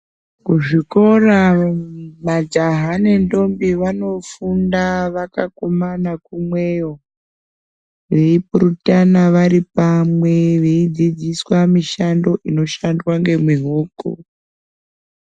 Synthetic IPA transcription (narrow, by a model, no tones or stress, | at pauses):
kuʐiko̞ra | mad͡ʒaɦane̞ndo̞mbiʋano̞fundaʋaka̰komanakumwejo | ʋe̞ipurutanaʋaɾipamwe̞ʋeid͡zid͡ziswamiʃando̞ʔino̞ʃandwaŋɡe̞mwiɦuːkṵ